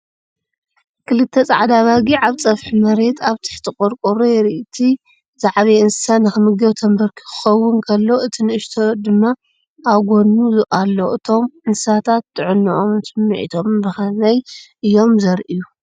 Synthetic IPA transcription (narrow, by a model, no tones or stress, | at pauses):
kʰɨlɨt̪ʰːet͡sʼaʕd̪aβaɡiʕaβt͡sʼɐfħmɐɾe̞t̪ʰaβt̪ʰɨ̥ħt̪ʰɨkʼuɾkʼuɾojɛɾiʔt̪ʰi | zaʕβiɨnsɨsanɨxɨmɨɡɐwt̪ʰɐmbɐɾkʰi̥kʰɨ̥xɐwːʊnkʰɐlːo̞ʔɨt̪ʰinɨʃt̪ʰod̪ɨmːaː | wɡo̞nuʔalːo̞ʔɨt̪ʰo̞mʔɨnssat̪ʰat̪ːɨʕɨnːɨʔomsɨmːḭʕḭt̪ʰo̞mbɨxɐnajʔɨjːo̞mzɐɾʔiju